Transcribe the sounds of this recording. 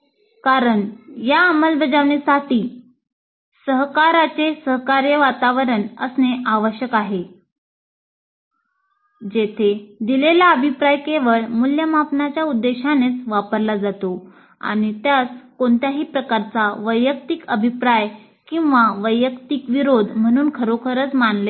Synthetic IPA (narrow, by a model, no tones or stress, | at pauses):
kaɾəɳjaːməlbəd͡zaʋɳesaʈiː | səɦkaɾat͡sesəɦkaɾjəʋat̪aʋəɾəɳə̰sneʔaʋəɕjəkaɦe | d͡ʑet̪ʰed̪ilelaəbʱipɾajkeʋəɭmuljəmapnat͡ɕjaud̪ːeɕanet͡sʋapəɾlad͡zat̪o | a̰ɽ̃it̪jat͡skoɳt̪jaɦiːpɾəkaɾt͡saʋəjːək̚t̪ikəbʱipɾaj | kĩw̃ʋaʋəjːəkt̪ikʋiɾod̪ʱm̤əɽ̃uːnkʰəɾokʰəɾət͡smanle